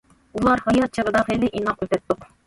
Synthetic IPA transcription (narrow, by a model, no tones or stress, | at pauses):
ulˠɑɾhɑjɑt̪̚t͡ʃʰəʁəd̪ɑχilɪʔinɑqøt̪ɛt̪ːʊq